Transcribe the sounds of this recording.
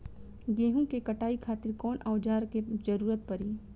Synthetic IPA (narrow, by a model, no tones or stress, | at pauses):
ɡeːɦũkekɐʈaːikʰaːt̪ɪɾkɔːnʔaʊd͡ʒaːɾked͡ʒəɾuːɾət̪̚pɐɾiː